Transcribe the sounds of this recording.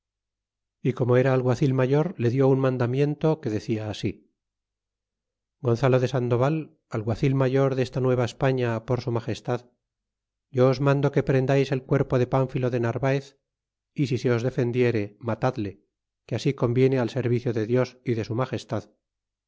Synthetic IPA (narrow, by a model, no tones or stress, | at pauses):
iko̞mo̞e̞ɾaːlɣwaθilmaʝo̞ɾle̞ðjo̞unmãnd̪amje̞nt̪o̞ke̞ðe̞θiaːsi | ɡo̞nθalo̞ðe̞sand̪o̞βal | alɣwaθilmaʝo̞ɾðe̞st̪anwe̞β̞aespaɲapo̞ɾsumaχe̞st̪að | ɟ͡ʝo̞ːzmãnd̪o̞ke̞pɾe̞nd̪ajse̞lkwe̞ɾpo̞ðe̞paɱfilo̞ðe̞naɾβaeθ | isise̞o̞zðe̞fe̞nd̪je̞ɾe̞mat̪aðle̞ | keasiko̞mbje̞ne̞alse̞ɾβiθjo̞ðe̞ðjo̞siðe̞sumaxe̞st̪að